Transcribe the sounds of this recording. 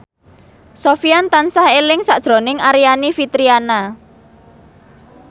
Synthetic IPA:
sofiant̪ansahelɪŋsaʔd̥ʒ̥ɾo̤nɪŋaɾianifit̪ɾiana

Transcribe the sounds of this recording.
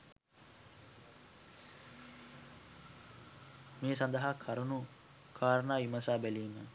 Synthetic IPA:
meːsɐnd̪ɐɦaːkʰaɾunu | kʰaːɾɐnaːimɐsaːbæliːmə

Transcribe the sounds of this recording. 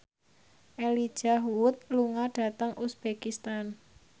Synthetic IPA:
ʔelid̥ʒ̥aɦuwʊt̪̚luŋaɖ̥a̤t̪əŋʔusb̥ekist̪an

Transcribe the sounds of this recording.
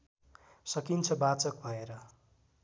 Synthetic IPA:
sʌkint͡sʰʌbat͡sʌk̚bʱʌeɾʌ

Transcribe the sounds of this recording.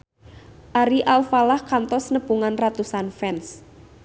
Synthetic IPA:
ʔaɾiʔalfalahkant̪ɔsnəb̥uŋanrat̪usanfɛns

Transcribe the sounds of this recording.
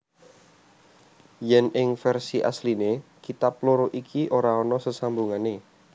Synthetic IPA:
jɛnɪŋfɛrsiʔa̰slinekit̪aploɾoʔikʰiʔoɾaɔnɔsəsambuŋane

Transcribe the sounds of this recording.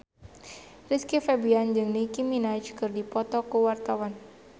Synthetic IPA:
riskifɛbiand͡ʒɨŋnikiminat͡ʃkɨrdipɔt̪ɔkuwart̪awan

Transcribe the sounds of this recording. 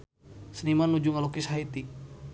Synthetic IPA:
sənimanːud͡ʒuŋalokishait̪i

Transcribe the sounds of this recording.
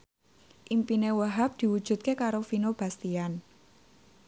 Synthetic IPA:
ʔimpinewəɦap̚d̪̥i̤wud̥ʒ̥ṳt̪̚kekaɾofinob̥a̤st̪ian

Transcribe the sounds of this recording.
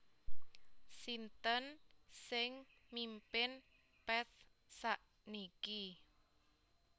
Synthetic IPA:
sint̪ənsɪŋ | mimpɪn | pɛt̪̚ | saʔ | niki

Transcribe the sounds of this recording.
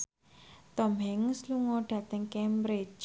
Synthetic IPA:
t̪ɔmɦɛŋsluŋɔɖ̥ä̤t̪əŋkɛmbɾɪd͡ʒ

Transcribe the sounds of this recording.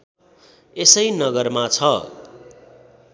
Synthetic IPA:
esʌjnʌɡʌrmat͡sʰʌ

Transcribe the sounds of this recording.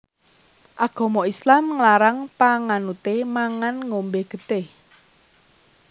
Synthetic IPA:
ʔaɡ̥ɔ̤mɔʔislamŋlaɾaŋpaŋanut̪emaŋanŋombeɡ̥ə̤t̪eh

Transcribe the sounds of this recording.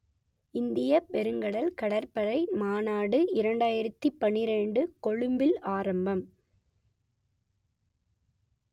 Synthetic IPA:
ɪnd̪ɪjɐpɛɾɯŋɡɐɭɐlkɐɽɐɾpɐɾɐɪmaːnaːɽɯɪɾɐɳɖaːjɪɾɐt̪ːipːɐnːɪɾɛɳɖɯkɔɻɯmbɪlaːɾɐmbɐm

